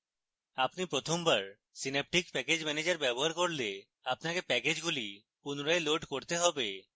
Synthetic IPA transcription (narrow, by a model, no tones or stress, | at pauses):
apnipɾot̪ʰombaɾ | sinep̚ʈikpɛked͡ʑmɛned͡ʑaɾbɛboɦaɾkoɾle | apnakepɛked͡ʑɡuli | punɾaeloʈkoɾt̪eɦɔbe